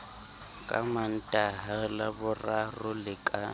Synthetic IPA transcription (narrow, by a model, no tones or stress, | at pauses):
kʼa̰man̩tʼaɦalabʊrarʊlɪkʼa